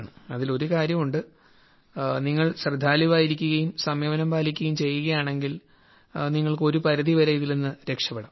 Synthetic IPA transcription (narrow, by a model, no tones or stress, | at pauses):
ɳɨɐðilo̞ɾukaːɾjɐmuɳɖɨ | niŋːɐɭɕrɨd̪ʱːaːliʋaːjiɾikʲːuɣɐjumsɐmjeːʋɐnɐmbaːlikʲːuɣɐjumt͡ɕe̞jːuɣɐjaːɳe̞ŋɡil | niŋːɐɭko̞ɾupɐɾɐðiʋɐɾeiðilenːɨɾe̞kʂɐpːɐɽɐm